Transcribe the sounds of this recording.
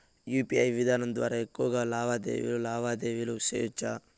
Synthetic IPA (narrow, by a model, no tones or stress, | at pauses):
juːpiɐjʋid̪ʱaːnɐnd̪ʋa̰ːɾɐekːoːɡɐlaːbaːd̪ḛːʋḭlulaːbʱaːd̪eːʋilusḛːt͡ʃa